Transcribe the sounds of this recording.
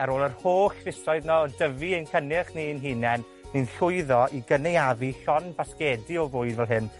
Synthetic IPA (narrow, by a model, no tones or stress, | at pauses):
ɛɾoːlˠərhoːɬvɪsɔɨðnɔɔdəviənkʰənɪχninɦinɛn | ninɬʊɨðɔʔiɡənejaviɬɔnbaskɛːdiɔvʊɨdvɛlˠɦɪn